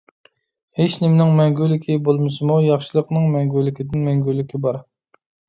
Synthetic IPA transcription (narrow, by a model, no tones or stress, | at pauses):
heʃnɪmnɪŋmɛŋɡʲylːɪkʲʰibolˠmɨsɨmujɑχʃɨlˠəqnɨŋmɛŋɡʲylːɪkʲʰid̪ɪnmɛŋɡʲylːɪkʲibɑɾ